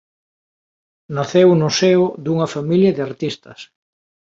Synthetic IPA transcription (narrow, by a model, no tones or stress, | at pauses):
naθewnʊseʊðuŋɐfamiljɐðɪaɾt̪ist̪ɐs